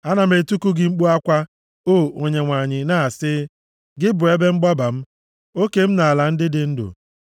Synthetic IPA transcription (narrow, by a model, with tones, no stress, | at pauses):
a˦na˨m̩e˨tu˦ku˦ɡɪ˨ŋ͡m̩˦k͡pu˦a˦kʷa˦ | o˦˨o˨ɲe˨ŋʷa˨ɲɪ˨na˦˨sɪ˦ | ɡɪ˦bʊ˨e˦be˦ŋ͡m̩˦ɡ͡ba˦ba˨m̩˦ | o˦ke˦m̩˦na˨a˨la˨n̩˦dɪ˦dɪ˦n̩˦dʊ̰˨